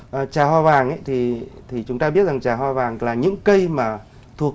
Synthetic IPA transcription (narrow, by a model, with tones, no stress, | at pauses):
ʔə˨˩t͡ɕaː˨˩ɦwaː˧vaː˨˩ŋʔə̰˧˦jt̪ʰi˨˩t̪ʰi˨˩t͡ɕʊ˨˦ŋ͡mt̪aː˧ɓi˦˥ət̚za˨˩ŋt͡ɕaː˨˩ɦwaː˧vaː˨˩ŋlaː˨˩ɲɨ̰˧˥ŋkə˧jmaː˨˩ | t̪ʰu˨˩ək̚